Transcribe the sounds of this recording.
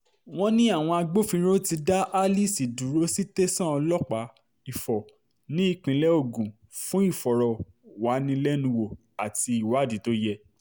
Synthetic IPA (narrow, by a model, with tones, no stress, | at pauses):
w̃ɔ̃˦nĩ˦a˦˨w̃ɔ̃˧a˧ɡ͡bo˦fĩ˧˦ɾ̃õ˦ti˧da˦ʔa˦li˦˨si˨du˨ɾo˦si˦te˦sã˦ɔ˧lɔ˦k͡pa˨˦ | i˨fɔ˨ | nĩ˦i˧k͡pĩ˧lɛ˦o˦˨ɡũ˨ | fũ˦i˦˨fɔ˨ɾɔ˨ | wa˨˦nĩ˧lɛ˦nũ˧wo˨ | a˨ti˧i˨wa˨˦˨di˨˦to˦jɛ˦